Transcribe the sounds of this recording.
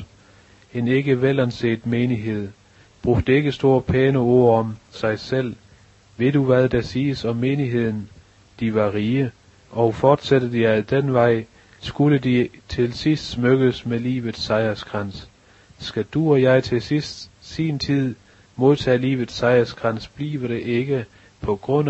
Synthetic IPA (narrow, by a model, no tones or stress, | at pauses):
e̝ne̝ɡ̥əʋelænse̝̰ːd̥meːniɦe̝ð̞̰ˠ | b̥ʁuɡ̥̚d̥əe̝ɡ̥əsd̥o̝ːɐ̰pʰɛːnəo̝ɐ̰ɒ̽msɑ̈ɪsel̰ | ʋe̝d̥uʋæð̞ˠd̥ɑsiːəsɒ̽mːe̝ːniɦe̝ð̞̰ˠn̩ | d̥iʋɑ̈ʁiːə | ʔɒ̽ʊfɒːd̥sæd̥əð̥ˠijæd̥enʋɑ̈ɪ̰ | sɡ̥uləd̥it͡sʰe̝lsisd̥smøɡ̥əsmelḭːʋð̩ˠsɑ̈ɪɐsɡ̥ʁɑn̰sː | ɡ̥æd̥uɒ̽jɑ̈ɪt͡sʰe̝sisd̥sint͡sʰið̰ˠ | mo̝ðˠt͡sʰɛ̰ːlḭːʋð̩ˠsɑ̈ɪɐsɡ̥ʁɑ̈n̰sb̥lḭːʋəɾ̥e̝ʔe̝ɡ̥ə | pʰɒ̽ɡ̥ʁɔ̽n̰